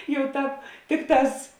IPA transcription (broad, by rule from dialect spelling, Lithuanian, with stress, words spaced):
jɛʊ ˈtɑːp ˈtʲɪkˌtɑːs